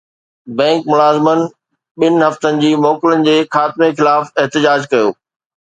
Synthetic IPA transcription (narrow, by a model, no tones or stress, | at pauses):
bɛ̃ːŋkmʊlaːzɪmənɪ̆ | ɓɪnɪ̆ɦɐft̪ənɪ̆d͡ʑiːmɔːkɪlənɪ̆d͡ʑeːxaːt̪ɪmexɪlaːfɛɦt̪ɪd͡ʑaːd͡ʑkɐjoː